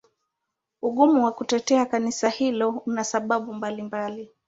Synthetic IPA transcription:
uɠumuwakutɛtɛakanisahilɔunasaɓaɓumbalimbali

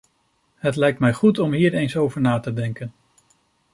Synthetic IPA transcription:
ɦətlɛjk̚tmɛjχutɔmɦiːɹejnsowvəɹnaːtədɛŋkən

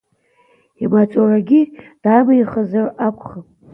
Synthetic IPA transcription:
imat͡sʼoraɡʲid̥aːmajχəzarakʷʰʼχapʼ

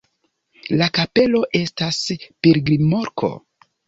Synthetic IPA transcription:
lakape̞lo̞ʔe̞staspeɾɡɾimo̞ɾkʰo̞̰

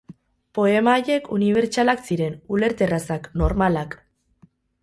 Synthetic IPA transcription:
po̞e̞maːje̞kʰuniβ̞e̞ɾt͡ʃalaksiɾe̞nule̞ɾt̪e̞rasakno̞ɾmalak

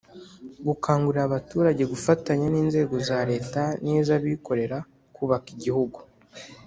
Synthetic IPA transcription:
ɡukʰaːŋɡuɾiɾaβatuːɾaɟe̞ɡufataɲaniːnze̞ːɡo̞zaːɾe̞ːtaniːzaβiːko̞ɾe̞ɾa | kuβakiɟihuɡu

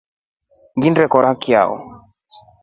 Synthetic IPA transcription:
ŋɡindɾɛkɔɾakia̰ɔ̰

